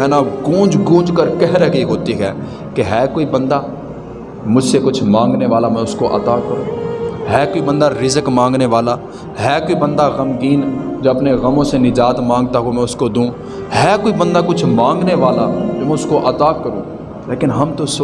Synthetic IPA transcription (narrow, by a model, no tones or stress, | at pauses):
ɦɛːnaɡũːd͡ʒɡũːd͡ʒkəɾkɛɦɾəkiɦoːt̪iɦɛː | keɦɛːkoːibə̃nd̪aː | mʊd͡ʒʱsekʊt͡ʃʰmãːŋɡneʋaːlamɛ̃ːʊskoʔɐ̰t̪aːkəɾũːɦɛːkoːibə̃nd̪aɾɪzəkmãːŋɡneʋaːlaː | ɦɛːkoːibə̃nd̪aɣəmɡiːnd͡ʒoːɐpneɣəmõsenɪd͡ʒaːt̪mãːŋɡ̚t̪aɦumɛ̃ːʊskod̪ũː | ɦɛːkoːibə̃nd̪aːkʊt͡ʃʰmãːŋɡneʋaːlaːd͡ʒomɛ̃ʊskoʔət̪aːkəɾũː | leːkɪnɦɐmt̪os